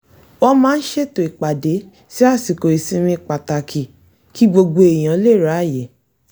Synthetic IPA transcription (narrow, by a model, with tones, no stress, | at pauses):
wɔ˧mãː˦n̩˦ʃe˦˨to˨i˨k͡pa˨de˨˦ | si˦a˦˨si˨ko˨i˨sĩ˧˦mĩ˧˨k͡pa˨ta˨kʰi˨ | ki˦ɡ͡bo˧ɡ͡bo˧e˨j̃ã˨˦le˦˨ɾa˨˦˨je˨˦